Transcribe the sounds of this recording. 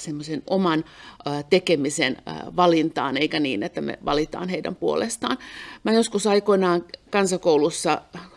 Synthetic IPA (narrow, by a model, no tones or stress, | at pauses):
semːosenomɑnt̪ekemisen̰ʋɑlint̪ɑ̰ːneikæniːnet̪ːæmḛʋɑ̰lit̪ɑ̰ːnheidæ̰mpuo̰lḛst̪ɑ̰ːnmæːjoskusɑikoinɑːŋkɑnsɑkoulusːɑ